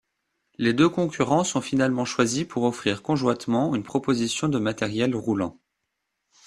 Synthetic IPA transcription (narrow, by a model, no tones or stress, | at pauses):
led̪økɔ̃kʲyʁɑ̃sɔ̃finalmɑ̃ʃwazipuʁɔfχiʁkɔ̃ʒwat̪mɑ̃ynpχɔpozisjɔ̃d̪əmat̪ɛʁjɛlʁulɑ̃